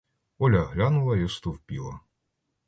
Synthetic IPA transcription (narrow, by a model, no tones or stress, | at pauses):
ɔlʲɐɦlʲanʊlˠɐist̪uwpʲilˠɐ̰